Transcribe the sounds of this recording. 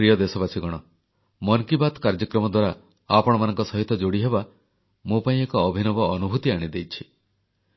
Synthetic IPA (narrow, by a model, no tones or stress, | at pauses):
ɾijɔd̪esɔbasiɡɔɽ̃ɔ | mɔŋkibat̪kaɾd͡ʒɔkɾɔmɔd̪waɾa | apɔɽ̃ɔmanɔŋkɔsɔɦit̪ɔd͡ʒoɽiɦeba | mupaĩekɔːbʱinɔbɔːnubʱut̪iaɽ̃id̪ejt͡ʃʰi̥